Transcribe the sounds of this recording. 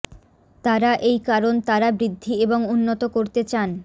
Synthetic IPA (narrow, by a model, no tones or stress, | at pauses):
t̪aɾaʔejkaɾont̪aɾabɾid̪ʱːieboŋunːot̪okoɾt̪et͡ɕan